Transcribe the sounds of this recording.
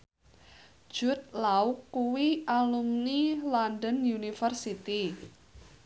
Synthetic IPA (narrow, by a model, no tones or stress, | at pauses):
d̥ʒ̥ʊt̪̚laukːuwialumnilandənjunifərsit̪i